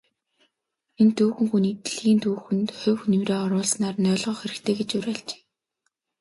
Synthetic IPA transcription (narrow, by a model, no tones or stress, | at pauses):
ent̪uːxɘ̆ŋxuniːt̪ɮɣiːnt̪ʰuːxɘ̆nt̪χʊwxnɵmreːɔɾʊːɮsnaːrnœːɮʁɔːxeɾɘ̆xt̪ʰeːɡet͡ɕʊɾæːɮt͡ɕe̥ː